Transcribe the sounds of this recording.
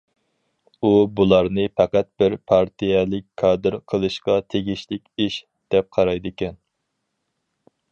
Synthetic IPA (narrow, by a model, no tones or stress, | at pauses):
ubulˠɑɾnɨpʰɑqæt̪̚b̥ɪɾpʰɑɾt̪ʰijɛlɪk̚ʲkʰɑːd̪ɨɾqʰəlˠɨʃqɑt̪ʰeɡʲiʃlɪkʲiʃ | d̪̥ɛp̚qʰɑɾɑjd̪ɪkʲɛn